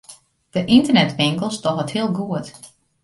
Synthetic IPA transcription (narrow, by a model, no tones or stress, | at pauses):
d̥əʔintərnɛtʋɪŋkəl̩ˠstɔɦəthiəlˠɡuət